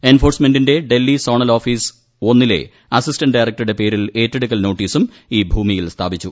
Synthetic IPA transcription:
e̞nfo̞ːrsme̞ndinde̞ɖe̞lːiso̞ːɳɐloːfiːs | o̞nːile̞̰ | ɐsistɐɳɖɐjrɐk̚ʈːɐɾiɽe̞pe̞ːɾile̞ːtːɐɽukːɐlno̞ːʈːiːsum | iːbʱuːmijilst̪ʰaːbit͡ɕːu

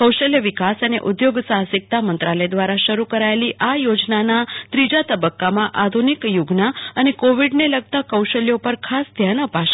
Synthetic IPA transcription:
kəwʃəljəʋɪkasənḛʔʊd̪joɡsaɦəsɪk̚t̪amənt̪ɾaləjd̪ʋaɾaʃəɾukəɾaeliʔajod͡ʒnanat̪ɾid͡ʒat̪əbəkːamãʔad̪ʱunikjuɡnaənekoʋiɖneləɡ̚t̪akəwʃəljopəɾkʰasd̪ʱjanəpaʃ

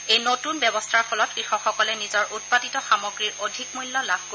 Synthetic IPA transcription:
ejnotunbɛbɔstʰaɹfɔlɔt̚kɹixɔkxɔkɔlɛnizɔɹʔut̚patitɔxamɔɡɹiɹodʱik̚mujlːɔlabko

